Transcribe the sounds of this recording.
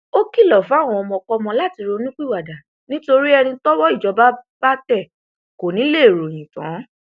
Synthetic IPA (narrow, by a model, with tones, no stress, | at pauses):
o˦ki˦˨lɔ˨fu˨˦a˦˨w̃ɔ̃˧ɔ˧mɔ̃˧kɔ˦mɔ̃˧la˦˨ti˧ɾo˧nũ˦k͡pi˦˨wa˨da˨ | nĩ˦to˧ɾi˦ɛ˧nĩ˧tɔ˦wɔ˦i˦˨d͡ʒɔ˨˧ba˦b̥a˦tɛ˦˨ | ko˨nĩ˨˦le˦˨ɾo˨j̃ĩ˨tã̰˨˦